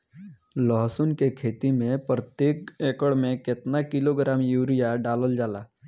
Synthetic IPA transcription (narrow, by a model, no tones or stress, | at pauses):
lɔɦsunkekʰeːt̪imẽpɾət̪jeːkekəɽmẽkɪt̪nakɪloɡɾaːmjuːɾijaɖaːləld͡ʒaːlaː